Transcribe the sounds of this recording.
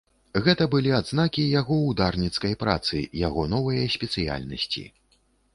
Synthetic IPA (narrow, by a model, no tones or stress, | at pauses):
ɣɛt̪ɐbɨlʲiad̪znakʲijaɣɔwd̪arnʲit̪skɐjpɾa̰t̪sɨ̰jaɣɔnɔvɐjɐsʲpʲɛt̪sɨja̰lʲnɐsʲt͡sʲḭ